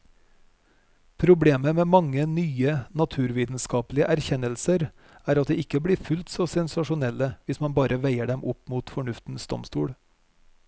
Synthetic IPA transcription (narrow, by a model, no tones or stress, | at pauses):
pʰɾʊbleːməmeːmɑŋːənyːənɑt̪ʰʉːɾʋiːt̪n̩skɑːplɪəʔæɾçɛnːəlsəɾ | æːɾɑt̪̚d̪eːɪkːəbliːfʉlt̪sɔsɛnsɑʂʊnɛlːəʋɪsmɑnbɑːɾʔəʋæɪəɖɛmʔʊpmuːt̪fɔɳʉft̪n̩sd̪ɔ̰mst̪ṵːɽ